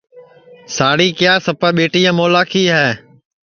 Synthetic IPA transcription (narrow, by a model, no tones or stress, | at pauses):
saːɽiːkɪjaːsəpaːɓeːʈiːãːmoːlaːkʰiːɦɛː